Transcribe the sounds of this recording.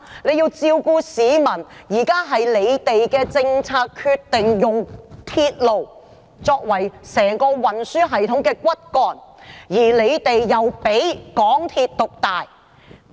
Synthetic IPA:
le˨˧jiː˧wt͡siː˧wkuː˧siː˨˧mɐ˨˩njiː˨˩kaː˥ɦɐ˨jle˨˧jt̪e˨jkɛː˧t͡sɪ˧ŋt͡sʰaː˧t̚kʰyː˧t̚t̪ɪ˨ŋjʊ˨ŋt̪ʰiː˧t̚lo˨w | t͡sɔː˧k̚wɐ˨˩jsɛː˨˩ŋkɔː˧wɐ˨˩nsyː˥ɦɐ˨jt̪ʰʊ˨˥ŋkɛː˧kʷɐ˥t̚kɔː˨˩njiː˨˩le˨˧jt̪e˨jːɐ˨wpe˨˥jkɔː˨˥ŋt̪ʰiː˧t̚t̪ʊ˨k̚t̪aː˨j

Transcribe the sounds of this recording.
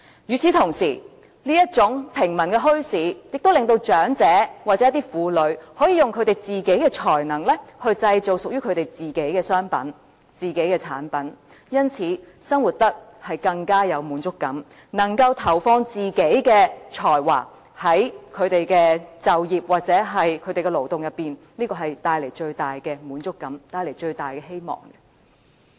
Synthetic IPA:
jyː˨t͡sʰiː˨˧t̪ʰʊ˨˩ŋsḭː˨˩ | niː˥jɐ˥t̚t͡sʊ˨˥ŋpʰɪ˨˩ŋmɐ˨˩nkɛː˧ɦɵ˥ɥsiː˨˥jɪ˨k̚t̪o˥wlɪ˨ŋt̪o˧wt͡ʃœː˨˥ŋt͡sɛː˨˥wa˨t͡sɛ˨˦jɐ˥t̪̬iː˥fuː˨˧lɵ˨˧ɥhɔː˨˥jiː˨˧jʊ˨ŋkʰɵ˨˧ɥt̪e˨˩jt͡siː˨ke˨˥jkɛː˧t͡ʃʰɔː˨˩jnɐ˨˩ŋlɛː˥hɵ˧ɥt͡sɐ˧jt͡so˨˩wsʊ˨k̚jyː˥kʰɵ˨˧ɥt̪e˨˩jt͡siː˨˩ke˨˥jkɛː˧sœː˥ŋpɐ̰˨˥n | t͡siː˨˩ke˨˥jkɛː˧t͡sʰa̰ː˨˥npɐ˨˥n | jɐ˥nt͡sʰiː˨˥sɐ˥ŋwu˨t̚t̪ɐ˥k̚hɐ˨jkɐ˧ŋkaː˥jɐ˨˧wmuː˨˥nt͡ʃʊ˥kːɐ˨˥m | nɐ˨˩ŋkɐ˧wt̪ʰɐ˨˩wfɔː˧ŋt͡siː˨ke˨˥jkɛː˧t͡ʃʰɔː˨˩jwa̰ː˨˩ | hɐ˨˥jkʰɵ˨˧ɥt̪e˨˩jkɛː˧t͡sɐ˨wjiː˨p̚waː˨t̚t͡sɛː˨˥ɦɐ˨jkʰɵ˨˧˥t̪e˨jkɛ˧lo˨˩wt̪ʊ˨ŋjɐ˨t̚pːiː˨n | liː˥kɔː˧ɦɐ˨jt̪aː˧jle˨˩jt͡ʃɵ˧ɥt̪aː˨˩jkɛː˧muː˨˥nt͡ʃʊ˥kːɐ˨˥mt̪aː˧jle˨˩jt͡ʃɵ˧ɥt̪aː˨˩jkɛ˧ɦe˥jmɔ̰ː˨˩ŋɛ

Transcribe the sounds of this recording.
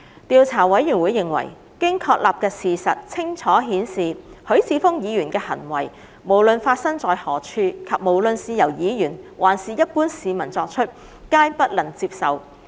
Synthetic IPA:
t̪iː˨˧wt͡sʰaː˨˩wɐ˨˥jyː˨˩nwuː˨˧˦jːɪ˨ŋwɐ̰˨˩j | kɪ˥ŋkʰɔː˧k̚laː˨p̚kɛː˧siː˨sɐ˨t̚t͡sʰɪ˥ŋt͡ʃʰɔː˨˥ɦiː˨˥nsiː˨hɵ˨˥ɥt͡sʰiː˨˧˥fʊ˥ŋjiː˨˧jyː˨˩nkɛː˧hɐ̰˨˩nwɐ̰˨˩j | mo˨˩wlɵ˨nfaː˧t̚sɐ˥ŋt͡sɔː˨jhɔː˨˩t͡ʃʰyː˧kʰɐ˨p̚mo˨˩wlɵ˨nsiː˨˧jɐ˨˩wjiː˨˧jyː˨˩nwʔaː˨˩nsiː˨˧jɐ˥t̚puː˥nsiː˨mɐ˨˩nt͡sɔː˧k̚t͡ʃʰɵ˥t̚ | kaː˥jpɐ˥t̚lɐ˨˩ŋt͡siː˧p̚sɐ˨w

